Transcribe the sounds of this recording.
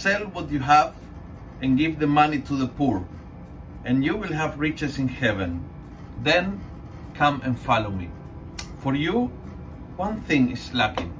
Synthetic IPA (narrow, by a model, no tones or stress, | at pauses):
sɛlwʌtjɨɦæv | ɨ̃nɡɪvðəmanitʰuðəpʰuɹ | ɨ̃njuwɪlˠɦævɹɪt͡ʃɨsɪ̃nhɛvɨ̃n | ðɛ̃n | kʰʌ̃mɨ̃nfɑlomi | fɔɹju | wãnθɪ̃ŋɪslakɪ̃ŋ